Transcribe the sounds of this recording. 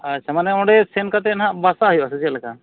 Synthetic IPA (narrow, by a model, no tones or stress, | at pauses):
at͡ʃʰamanɛɔ̃ɖɛsɛnkat̪̬ɛnɦaʔbasaɦɔjasɛd͡ʒilakʰa